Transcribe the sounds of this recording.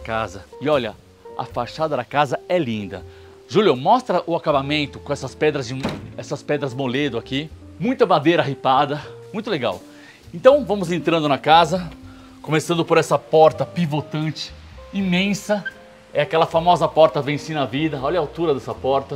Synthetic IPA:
kazɐɪɔʎɐ̰ | ɐ̰faʃad̪ɐd̪ɐkazɐɛlĩnd̪ɐ̰ | ʒuljʊmɔst̪ɾɐʔʊakabamẽnt̪ʊkõɛsɐspɛd̪ɾɐzd͡ʒɪɛsɐspɛd̪ɾɐzmoled̪ʊaki | mũj̃t̪ɐmad̪ejɾɐaɦipad̪ɐmũj̃t̪ʊleɡa̰w | ẽnt̪ɐ̃w̃vɐ̃mʊzẽnt̪ɾɐ̃nd̪ʊnɐkazɐ | kõmesɐ̃nd̪ʊpoɾɛsɐpɔɾt̪ɐpivot̪ɐ̃nt͡ʃɪ̥ | imẽsɐ | ɛakɛlɐfamɔzɐpɔɾt̪ɐvẽsinɐvid̪ɐɔʎɐawt̪uɾɐd̪ɛsɐpɔɾt̪ɐ

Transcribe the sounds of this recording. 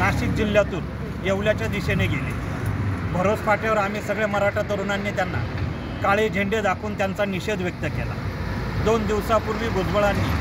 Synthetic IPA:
naɕiːk̚d͡ʑiljat̪uːn | jeʋljat͡ɕjad̪iɕeneɡʱelḛ | bʱəɾot͡sfaʈjaʋəɾam̤iːsəɡɭeməɾaʈat̪əɾunanːiːt̪janːa̰ | kaɭed͡ʑʱeɳɖed̪akʰuːnt̪jant͡saniɕed̪ʋjək̚t̪əkela̰ | d̪ond̪iʋsapuɾʋiːɡod͡zbəɭanːḭː

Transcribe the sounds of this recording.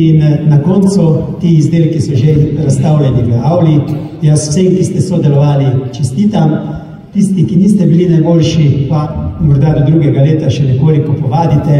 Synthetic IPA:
innakont̪sut̪iizd̪eːlkisɔʒeɾast̪awljaniʋəawli | jasw̥semkist̪ɛsod̪ɛlɔʋaːlit͡ʃɛst̪iːt̪am | t̪ist̪ikiniːst̪ɛbilinajboːlʃipamɔɾd̪ad̪ɔd̪ɾuːɡɛɡaleːt̪aʃɛnɛkoːlikɔpɔʋaːd̪it̪ɛ

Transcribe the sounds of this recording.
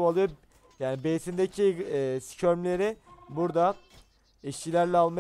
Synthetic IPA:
alˠɯjo | jaːnibesind̪ecʰisi̥cʰøɾmlʲe̞ɾɪbuɾd̪a | iʃcilʲæɾlʲɛalˠma

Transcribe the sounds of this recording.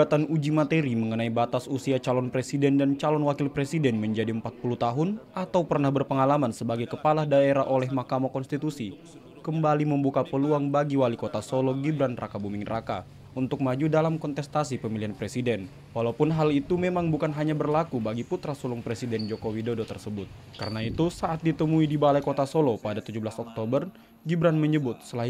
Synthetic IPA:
at̪anud͡ʒimat̪eɾiməŋənaibat̪asusiat͡ʃalɔnpɾesidɛndant͡ʃalɔnwakɪlpɾesidɛnməɲd͡ʒadiəmpat̪̚puluht̪aɦʊnʔat̪awpərnahbərpəŋalamansəbaɡajkəpalahdaeɾaʔolɛhmakamakɔnst̪it̪usi | kəmbaliməmbukapəluaŋbaɡiwalikot̪asolɔɡibɾanra̰kabumɪŋraka̰ | unt̪ʊk̚mad͡ʒudalamkɔnt̪ɛst̪asipəmilianpɾɛsidɛn | walaupʊnɦalit̪umemaŋbukanɦaɲabərlakubaɡiput̪ɾasulʊŋpɾesidɛnd͡ʒokowidodot̪ərsəbʊt̪̚ | ka̰ɾənait̪usaʔat̪̚dit̪əmuidibalajkot̪asolopadat̪ud͡ʒublasɔk̚t̪obər | ɡibɾanməɲəbʊt̪̚səlaɦi

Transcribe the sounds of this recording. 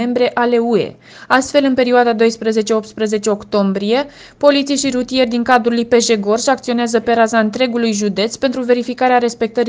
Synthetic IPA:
embɾe̞ʔale̞ue̞̰ | ast̪fe̞lɨnpe̞ɾioad̪ad̪o̞jspɾəze̞t͡ʃeopt̪spɾəze̞t͡ʃe̞o̞kt̪o̞mbɾije̞ | po̞lit̪sijʃiɾut̪ije̞rʲd̪iŋkad̪ɾulujpe̞ʒe̞ɡo̞rʃiakt̪sio̞neazəpe̞ɾazaɨnt̪ɾe̞ɡulujʒud̪e̞t̪sʲpe̞nt̪ɾuve̞ɾifikaɾeaɾe̞spe̞k̚t̪əɾi

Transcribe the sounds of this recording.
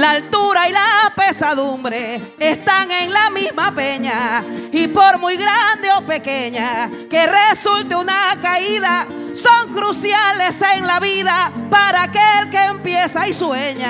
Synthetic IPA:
laːlt̪uɾailape̞saðumbɾe̞ː | st̪aŋe̞ŋlamizmape̞ɲaipo̞ɾmujɣɾand̪e̞o̞pe̞ke̞ɲa | ke̞re̞sult̪eunakaiða | so̞ŋkɾusjale̞seŋlaβiðapaɾaːkelkeːmpje̞saisweɲa

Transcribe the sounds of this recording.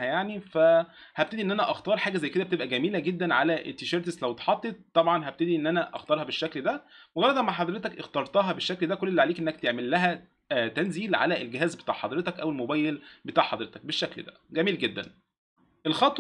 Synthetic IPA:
hæjaʕnifæ | hæb̚t̪æd̪iʔenːʔænæʔɑxt̪ɑːɾˤħaːɡæzæjːked̪æbet̪ebʔæɡæmiːlæɡed̪ːænʕalæʔet̪ːeʃɑɾˤt̪eslæwt̪ħɑt̪ˤːet̪̚ːˤɑbʕɑnɦæb̚t̪ed̪iʔenːʔænæʔɑ̰xt̪ˤɑːɾˤhɑbeʃːækld̪æmoɡɑɾˤːɑd̪ˤɑmaħɑd̪ˤɾet̪ækʔext̪ɑɾˤt̪ɑɦɑbeʃːækld̪ækolːelːiʕaleːkʔenːæk̚t̪eʕmelːæɦæ | t̪ænziːlʕa̰læelɡeɦæːzbet̪a̰ːʕħɑ̰d̪ɾet̪ækʔæwelmobæːjelbet̪aːʕħɑd̪ɾet̪ɑ̥k̚beʃːækld̪æ̰ | ɡæmiːlɡed̪ːæn | ʔelxɑt̪ˤ

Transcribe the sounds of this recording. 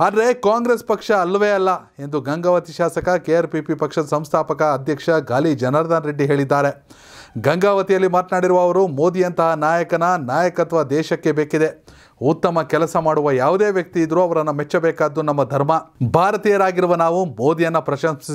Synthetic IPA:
ɐd̪ɾe̞kaːŋɡɾespɐkʂɐːlːɐʋeːɐlːɐ | e̞nd̪uɡɐŋɡaːʋɐt̪iʃaːsɐkɐkeɐɾpipipɐkʂɐd̪ɐsɐmst̪ʰaːpɐkɐːd̪ʱjɐkʂɐɡaːlid͡ʒɐnɐɾd̪ɐnɾeɖːiɦe̞ːɭid̪ːaːɾe̞ | ɡɐŋɡaːʋɐt̪ijɐlːimaːt̪naːɽiɾuʋɐːʋɐɾumo̞ːd̪ijɐnt̪ɐɦɐnaːjɐkɐnɐnaːjɐkɐt̪ʋɐd̪ɛːʃɐkːe̞beːkid̪e̞ | ut̪ːɐmɐkɛlɐsɐmaːɽuʋɐjaːʋud̪e̞ːʋjɐk̚t̪iːd̪ɾuɐʋɐɾɐnːɐmet͡ʃːɐbɛːkaːd̪ːunɐmːɐd̪ʱɐɾmɐbʱaːɾɐt̪iːjɐɾaːɡiɾuʋɐnaːʋumoːd̪ijɐnːɐpɾɐʃɐmss

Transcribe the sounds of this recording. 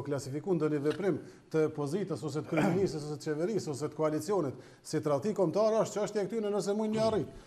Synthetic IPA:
klasifikund̪ɔnivɛpɾim | t̪əpɔzit̪əsɔs̬ɛt̪ə̥kɾiminisəs̬ɔsɛt̪ət͡ʃɛvɛɾisɔsɛt̪ə̥kɔalit͡siɔnit̪ | sit̪ɾat̪ikɔmt̪aɾaʃt̪̚t͡ʃəaʃt̪jiɛk̚t̪ynɛnəs̬ɛmujɲəari

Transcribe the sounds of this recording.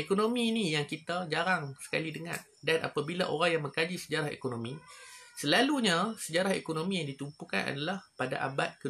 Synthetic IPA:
ekonomiːnijaŋkit̪ad͡ʒaɾaŋsə̥kalidəŋa̰n | danʔa̰pabilaʔo̰ɾaŋjaŋməŋkad͡ʒisəd͡ʒaɾaɦḛkonomĩsəlaluɲasəd͡ʒaɾaɦḛkonomijaŋdit̪umpuka̰na̰dalahpada̰ʔa̰bat̪̚kə

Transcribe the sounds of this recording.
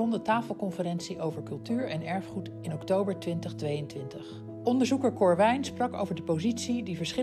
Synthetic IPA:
ɔndətaːfəlˠkɔnfərɛnsiʔowvəɹkɵlˠtyːɹɛnɛɹfχut | ɪnɔktowbəɹtʋɪntəχtʋejəntʋɪntəχ | ʔɔndəɹzukəɹkɔɹʋɛjnsprɑko̰wvəɹdəpowzitsidivəɹsχɪ

